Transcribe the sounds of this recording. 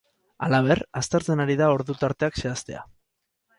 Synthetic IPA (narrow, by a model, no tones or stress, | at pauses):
alaβ̞e̞rast̪e̞ɾt͡se̞naɾiðao̞ɾðut̪aɾt̪e̞akse̞ast̪e̞a̰